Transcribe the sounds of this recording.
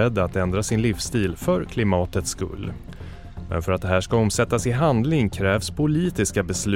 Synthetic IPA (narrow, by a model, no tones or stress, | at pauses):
ɛd̪ːaat̪ɛnd̪ɾasɪnlifst̪iːlfœɾkʰlɪmɑːt̪ət̪skɵ̰lː | mɛ̰nfœɾat̪̚d̪ɛhæːʂkaɔmsɛt̪ːasɪɦand̪lɪŋkʰɾɛːvspʰʊliːt̪ɪskabɛslʉ